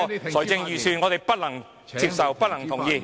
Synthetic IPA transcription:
sɔ˨˩jt͡sɪ˧ŋjyː˨˩syː˧nŋɔ˨˧t̪e˨˩jpɐ˥t̚lɐ˨˩ŋ | t͡si˧p̚sɐ˨wpɐ˥t̚lɐ˨˩ŋt̪ʰʊ˨˩ŋjiː˧

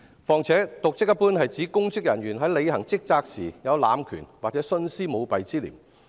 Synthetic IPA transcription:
fɔː˨˩ŋt͡sʰɛː˨˥t̪ʊ˨k̚t͡sɪ˥k̚jɐ˥tpuː˥nhɐ˨jt͡siː˨˥kʊ˥ŋt͡sɪ˥k̚jɐ˨˩nɥyː˨˩nɦɐ˨˥jle˨˧jhɐ˨˩ŋt͡sɪ˥k̚t͡saː˧k̚sḭː˨˩jɐ˨˧wla̰ː˨˧mkʰy̰ː˨˩nwaː˨t͡sɛː˨˥sɵ˥nsiː˥mo˨˧wpɐ˨jt͡siː˥lḭː˨˩m

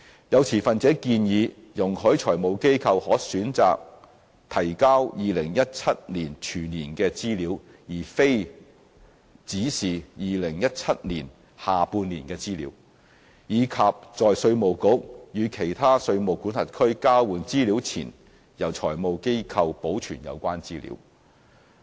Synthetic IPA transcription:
jɐ˨˧wt͡sʰiː˨˩fɐ˨nt͡sɛː˨˥kiː˧njiː˨˧ | jʊ˨˩ŋhɵ˨˥ɥt͡ʃʰɔː˨˩jmo˨wke˥jkʰɐ˧whɔː˨˥syː˨˥nt͡sa̰ː˨k̚ | t̪ʰɐ˨˩jkaː˥wjiː˨lɪ˨˩ŋjɐ˥t̚t͡sʰɐ˥t̚liː˨˩nt͡ʃʰyː˨˩nːiː˨˩nkɛː˧t͡siː˥liː˨˥w | jiː˨˩fe˥j | t͡siː˨˥siː˨jiː˨lɪ˨˩ŋjɐ˥t̚t͡sʰɐ˥t̚niː˨˩n | haː˨puː˧nliː˨˩nkɛː˧t͡siː˥lḭː˨˥w | jiː˨˧kʰa˨p̚t͡sɔː˨jsɵ˧ɥmo˨˩wkʊ˨˥k̚jyː˨˧kʰe˨˩jt̪ʰaː˥sɵ˧ɥmo˨wkuː˨˥nhɐ˨˩t̚kʰɵ˥ɥkaː˥wuː˨nt͡siː˥liː˨˥wt͡sʰḭː˨˩n | jɐ˨˩wt͡ʃʰɔː˨˩jmo˨˧wke˥jkʰɐ˧wpo˨˥wt͡ʃʰyː˨˩njɐ̰˨˧wkʷwaː˥nt͡siː˥lḭː˨˥w

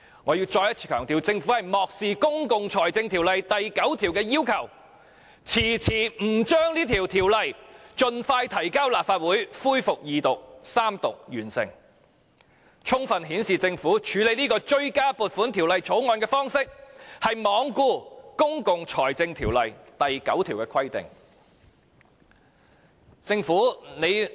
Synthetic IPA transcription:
ŋɔː˨˧jiː˧wt͡ʃɔː˧jɐ˥tt͡sʰi̥ː˧kʰœː˨˩ŋt̪iː˨wt͡sɪ˧ŋfu˨˥hɐ˨jmɔː˨k̚siː˨kʊ˥ŋkʊ˨ŋt͡sʰɔː˨˩jt͡sɪ˧ŋt̪ʰiː˨˩wlɐ˨jt̪ɐ˨jkɐ˨˥wt̪ʰiː˨˩wkɛː˧jiː˥wkʰɐ˨˩w | t͡sʰiː˨˩t͡sʰiː˨˩m̩˨˩t͡ʃœː˥ŋliː˥t̪ʰiː˨˩wt̪ʰiː˨˩wlɐ˨jt͡ʃɵ˨nfaː˧jt̪ʰɐ˨˩jkaː˥wlaː˨p̚faː˧t̚wuː˨˥jfuː˥jfʊ˨k̚jiː˨t̪ʊ˨k̚saː˥mt̪ʊ˨k̚jyː˨˩nsɪ̰˨˩ŋ | t͡ʃʰʊ˥ŋfɐ˨nɦiː˨˥nsiː˨t͡sɪ˧ŋfuː˨˥t͡ʃʰyː˨˥le˨˧jniː˥kɔː˧t͡ʃɵ˧˥ɥkaː˥puː˨t̚fuː˨˥nt̪ʰi˨˩wlɐ˨jt͡sʰo˨˥wŋɔː˧nkɛː˧fɔː˥ŋsɪ˥k̚hɐ˨jmɔː˨˧ŋkuː˧kʊ˥ŋkʊ˨ŋt͡sʰɔː˨˩jt͡sɪ˧ŋt̪ʰiː˨˩wlɐ˨jt̪ɐ˨jkɐ̰˨˥wt̪ʰiː˨˩wkɛː˧kʰwɐ˥jt̪ɪ̰˨ŋ | t͡sɪ˧ŋfuː˨˥ne˨˧j

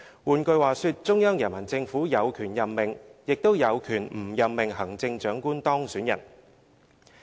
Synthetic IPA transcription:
wuː˨˩nkɵ˧ɥwaː˨˩syː˧t̚t͡ʃʊ˥ŋjɔː˥ŋjɐ˨˩nmɐ˨˩nt͡sɪ˧ŋfuː˨˥jɐ˨˧wkʰyː˨˩njɐ˨mmɪ˨˩ŋjɪ˨k̚t̪o˥wjɐ˨˧wkʰyː˨˩nm̩˨˩jɐ˨mmɪ˨˩ŋɦɐ˨˩ŋt͡sɪ˧ŋt͡ʃœː˨˥ŋkuː˥nt̪ɔː˥ŋsyː˨˥njɐ̰˨˩n

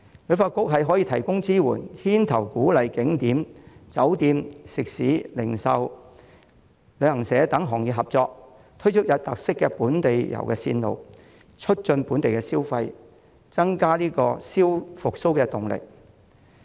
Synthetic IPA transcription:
lɵ˨˧ɥfaː˧t̚kʊ˥k̚ɦɐ˨jɦɔ˨˥jiː˧t̪ʰɐ˨˩jkʊ˥ŋt͡siː˥wṵː˨˩nhiː˥nt̪ʰɐ˨˩wkuː˨˥lɐ˨jkɪ˨˥ŋt̪iː˨˥mt͡sɐ˨˥wt̪iː˧msɪ˨k̚siː˨˥lɪ˨˩ŋsɐ˨˧w | lɵ˨˧hɐ˨˩ŋsɛː˨˧t̪ɐ˨˥ŋɦɔː˨˩ŋjiː˨t̚ɦɐ˨p̚t͡sɔː˧k̚ | t̪ʰɵ˥ɥt͡ʃʰʊ˥t̚jɐ˨˧t̚t̪ɐ˨k̚sɪ˥kːɛ˧puː˨˥nt̪e˨jjɐ̰˨˩wkɛː˧sḭː˧nlo̰˨˧w | t͡ʃʰɵ˥t̚t͡ʃɵ˧npuː˨˥nt̪e˨jkɛː˧siː˥wfɐ˧j | t͡sɐ˥ŋkaː˥liː˥kɔ̰ː˧siː˥wfʊ˨k̚so˥wkɛː˧t̪ʊ˨ŋlɪ̰˨k̚

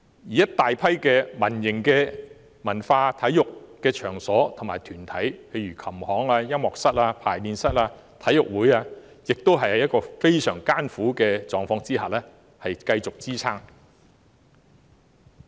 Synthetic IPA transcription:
jiː˨jɐ˥t̪̚ːaː˨jpʰɐ˥jkɛː˧mɐ˨˩njɪ˨˩ŋkɛː˧ | mɐ˨˩nfaː˧t̪ʰɐ˨˥jjʊ˨kkɛː˧t͡ʃʰœː˨˩ŋsɔː˨˥t̪ʰʊ˨˩maː˨˩jt̪ʰyː˨˩nt̪ʰɐ˨˥jpʰe˧jɥyː˨˩kʰɐ˨˩mhɔː˨˥ŋaː˧jɐ˥mːɔː˨k̚sɐ˥t̚aː˧pʰaː˨˩jniː˧nsɐ˥t̚aː˧ | t̪ʰɐ˨˥jʊ˨k̚wuː˨˥jaː˧ | jɪ˨k̚t̪o˥wɦɐ˨jhɐ˨jɐ˥t̚kːɔː˧fe˥jsœː˨˩ŋkaː˥nfuː˨˥kɛː˧t͡sɔː˨ŋfɔː˧ŋt͡siː˥ɦaː˨˩lɛː˥ | hɐ˨jkɐ˧jt͡sʊ˨k̚t͡siː˥t͡sʰaː˥ŋ

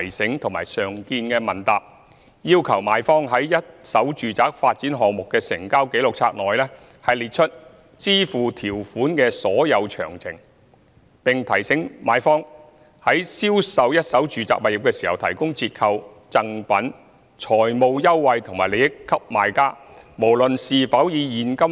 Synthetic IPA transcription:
jsɪ˨˥ŋt̪ʰʊ˨˩ŋma̰ː˨˩jsœː˨˩ŋkiː˧nkɛː˧mɐ˨˩nt̪aː˨p̚ | jiː˥wkʰɐ˨˩wmaː˨˧jfɔː˥ŋɦɐ˨˥jːɐ˥t̚sɐ˨˥wt͡ʃyː˨t͡saː˨k̚faː˧t̚t͡siː˨˥nɦɔː˨ŋmʊ˨kːɛː˧sɪ˨˩ŋkaː˥wke˨˥jlʊ˨k̚t͡sʰaː˧k̚nɔː˨jlɛː˥ | hɐ˨jliː˨t̚t͡ʃʰɵ˥t̚ | t͡siː˥fuː˨t̪ʰiː˨˩wfuː˨˥nkɛː˧sɔː˨˥jɐ˨˧wt͡ʃʰœ̰ː˨˩ŋt͡sʰɪ̰˨˩ŋ | pɪ˨ŋt̪ʰɐ˨˩jsɪ˨˥ŋmaː˨˧˥jfɔː˥ŋ | hɐ˨˥jsiː˥wsɐ˨˧wjɐ˥t̚sɐ˨˥wt͡ʃyː˨t͡sa̰ː˨k̚mɐ˨t̚jɪ˨˩p̚kɛː˧siː˨˩hɐ˨wt̪ʰɐ˨˩jkʊ˥ŋt͡sʰiː˧t̚kʰɐ˧w | t͡sɐ˨ŋpɐ˨˥n | t͡ʃʰɔː˨˩jmo˧wjɐ˥wwɐ˨˧jt̪ʰʊ˨˩ŋmaː˨˩le˨˧jɪ˥kkʰːɐ˥p̚maː˨˧jkaː˥mo˨˩wlɵ˨nsiː˨fɐ˨˥wjiː˨˧jiː˨˧nkɐ˥m

